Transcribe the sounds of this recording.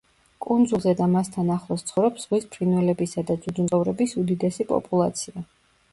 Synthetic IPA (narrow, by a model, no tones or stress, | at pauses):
kʼund̪zulˠzɛd̪amast̪ʰanaχlˠɔst̪sʰχɔvɾɛpsz̥ʁwispʰɾinwɛlɛbisad̪ad̪zud̪zunt̪ʼɔvɾɛbisud̪id̪ɛsipʼɔ̰pʼulˠat̪sʰia